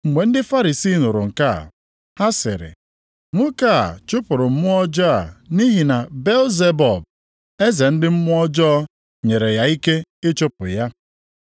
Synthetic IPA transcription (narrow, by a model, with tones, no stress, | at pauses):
ŋ͡m̩˨ɡ͡be˨n̩˦dɪ˦fa˦ɾi˨si˦˨nʊ˨ɾʊ̰˨ŋ̩˨ka̰˦˨ | ha˦sɪ̰˨ɾɪ̰˨ | ŋʷʊ˦ka˦˨t͡ʃʊ˦pʊ˨ɾʊ˨m̩˦mʊ˦ɔ˦d͡ʒɔ˦a̰˨ni˦ɦi˨na˨be˦lze˦bɔ˨b̚ | e˦ze˨n̩˦dɪ˦m̩˦mʊ˦ɔ˦d͡ʒɔː˦ | ɲe˨ɾe˨ja˨i˦ke˦ɪ˦t͡ʃʊ˦pʊ̰˨ja˦